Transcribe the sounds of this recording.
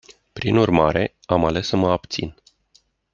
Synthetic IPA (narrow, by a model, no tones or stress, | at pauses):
pɾinurma̰ɾe̞ | amale̞səməapt̪sḭn